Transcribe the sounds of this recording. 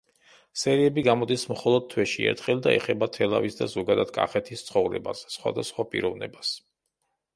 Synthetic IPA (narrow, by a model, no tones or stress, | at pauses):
sɛɾiɛbiɡamɔd̪ismχɔlˠɔd̪̚t̪ʰwɛʃiɛ̰ɾt̪ʰχɛlˠd̪aɛχɛbat̪ʰɛlˠa̰visd̪azɔɡad̪ad̪̥̚kʼa̰χɛt̪ʰist̪sʰχɔvɾɛ̰ba̰sːχwa̰d̪asχwapʼḭɾɔvnɛbas